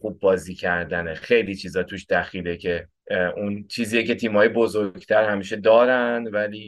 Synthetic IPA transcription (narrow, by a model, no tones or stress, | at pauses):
χub̚ːɒːziːcʰæɾd̪ænexe̞jliːt͡ʃʰiːzɒːt̪ʰuːʃd̪̥æxiːlecʰe̞ | ʔunt͡ʃʰiːziːjece̞t̪ʰiːmhɒːjebozoɾɟt̪ʰæɾhæmiːʃe̞d̪ɒːɾænvæliː